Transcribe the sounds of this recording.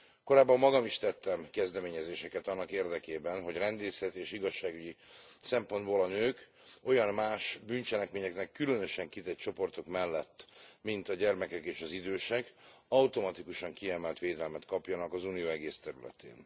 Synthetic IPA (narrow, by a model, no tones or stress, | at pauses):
ko̞ɾaːbːɒmːɒɡɒmiʃt̪ɛt̪ːɛmkɛzd̪ɛmeːɲɛzeːʃɛkɛt̪ɒnːɒkeːrd̪ɛkeːbɛnɦo̞ɟrɛnd̪eːsɛt̪eːʃiɡɒʃːaːɡyɟisɛmpo̞nd̪boːlɒnøːk | o̞jɒnmaːʃbynt͡ʃɛlɛkmeːɲɛknɛkːylø̞nø̞ʃɛŋkit̪ɛc̚t͡ʃo̞po̞rt̪o̞kmɛlːɛt̪ːmint̪ɒɟɛrmɛkɛkeːʃɒzid̪øːʃɛɡɒwt̪o̞mɒt̪ikuʃɒŋkiɛmɛlt̪ʋeːd̪ɛlmɛt̪kɒpjɒnɒkɒzuːnijoːɛɡeːst̪ɛɾylɛ̰t̪ḛːn